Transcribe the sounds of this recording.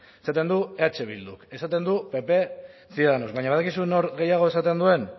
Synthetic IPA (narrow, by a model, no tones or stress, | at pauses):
esat̪e̞nd̪ueat͡ʃe̞β̞ḭld̪uke̞sat̪e̞nd̪upe̞pe̞siðaðanozβaɲaβðakisuno̞ɾɣe̞jaɣ̞o̞e̞sat̪e̞nd̪ue̞n